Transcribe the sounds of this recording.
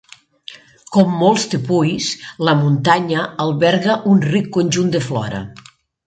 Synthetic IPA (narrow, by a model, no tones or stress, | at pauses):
kɔmːolˠst̪epujsləmunt̪aɲəːlˠβɛɾɣəʔunrikːonʲʒund̪eflɔ̰ɾə̰